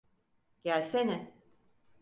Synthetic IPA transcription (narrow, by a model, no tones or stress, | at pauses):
ɟ̥ælʲsenɪ